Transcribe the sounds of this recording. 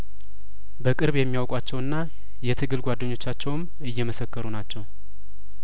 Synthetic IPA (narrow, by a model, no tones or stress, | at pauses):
bəkʼɨɾβjɛmːijawkʼwat͡ʃːɛwɨnːa | jɛt̪ʰɨɡɨlɡʷad̪ːəɲːo̞t͡ʃːat͡ʃːɛwm | ɨjːɛməsəkːəɾunat͡ʃːɛw